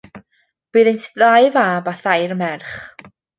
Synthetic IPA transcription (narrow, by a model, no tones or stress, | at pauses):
b̥ɨːðejntʰðajvaːbaθajɾmɛrχ